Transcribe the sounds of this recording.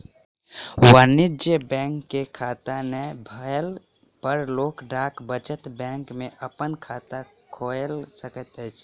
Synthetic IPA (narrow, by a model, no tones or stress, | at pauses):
wanid͡ʒəbɛ̃ŋkːekʰat̪anebʱəl | pəɾloːkɖʱakbət͡ʃət̪bɛ̃ŋkmẽʔəpənkʰat̪a | kʰolsəkət̪ɛt͡ʃʰ